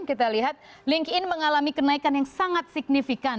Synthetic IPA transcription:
nkit̪aliɦat̪̚ | liŋkɪnməŋalamikənaikanjaŋsaŋat̪̚sik̚nifikan

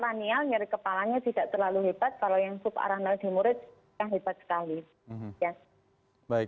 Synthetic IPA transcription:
ɾanialɲaɾikəpalaɲat̪idaʔt̪ərlaluɦeb̥at̪̚kalojaŋsʊpa̰ɾanald̪̥i̤muɾɪt̪̚ | kanɦeb̥at̪̚sə̥kali | ja | baɪk̚

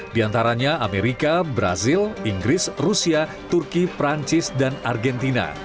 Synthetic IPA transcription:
diant̪aɾaɲaameɾikabɾa̰ziliŋɡɾɪsrusia | t̪urkipɾaɲt͡ʃɪsdanarɡɛnt̪ina̰

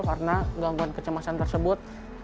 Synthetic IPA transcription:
kaɾənaɡaŋɡuankət͡ʃəmasant̪ərsəbʊt̪̚

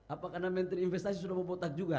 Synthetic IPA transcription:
apakarnamɛnt̪əɾinfɛst̪as̬is̬udamɔbɔt̪ak̚d͡ʒuɡa

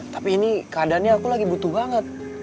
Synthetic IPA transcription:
t̪ḁpiːnikaːdanɲaakulaɡibut̪uhbaŋət̪̚

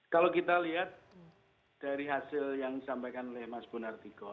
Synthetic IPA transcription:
kalokit̪aliɦat̪̚ | d̥aɾiɦasɪljaŋsampajkanlɪhmasb̥unart̪iɡɔ

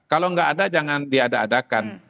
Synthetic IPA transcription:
kaloŋɡaʔːdad͡ʒaŋandiadaːdakan

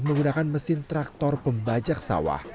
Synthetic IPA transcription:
məŋɡunakanməsɪnt̪ɾak̚t̪ɔrpəmbad͡ʒak̚sa̰wa̰h

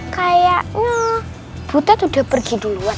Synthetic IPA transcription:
kajaʔɲa | b̥ut̪at̪udapərɡiduluan

